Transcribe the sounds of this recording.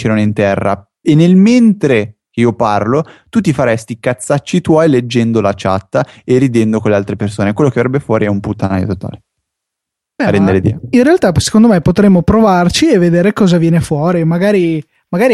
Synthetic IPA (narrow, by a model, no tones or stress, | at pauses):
t͡ʃɛɾanoint̪ɛrːa̰ | enːelment̪ɾekeiːoparlot̪ut̪ifaɾɛst̪ikat̪sːat͡ʃːit̪wɔjled͡ʒːɛnd̪olat͡ʃa̰t̪ːaerid̪ɛnd̪okolealt̪ɾepersoːnekwelːokevaɾɛbːefwɔːɾiɛumput̪ːanajo̰t̪ot̪a̰ːle | ɛɾɛnd̪eɾed̪ḭːainrealt̪asekond̪omepot̪ɾemːopɾovart͡ʃievːed̪eːɾekɔːzavjɛːnefwɔːɾimaɡaːɾi | maɡaːɾi